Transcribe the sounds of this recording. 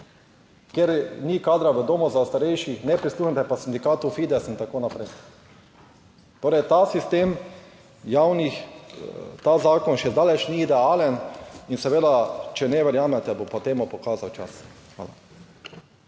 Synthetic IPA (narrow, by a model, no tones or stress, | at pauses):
keɾnikaːd̪ɾaʋəd̪oːmɔzaust̪aɾɛjʃixnɛpɾisluːxɛnt̪ɛpasind̪ikaːt̪ufid̪ɛsint̪akoːnapɾɛj | t̪oːɾɛjt̪asist̪eːm | jawnix | t̪azaːkɔnʃɛd̪aːlɛt͡ʃniːd̪ɛaːlɛninsɛʋeːd̪at͡ʃɛnɛʋɛɾjaːmɛt̪ɛbopɔt̪eːmupɔkaːzawt͡ʃa̰sxʋa̰ːla̰